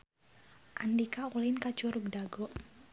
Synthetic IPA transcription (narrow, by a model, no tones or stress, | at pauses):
ʔandikaulɪnkḁt͡ʃuɾuɡ̚daɡɔʔ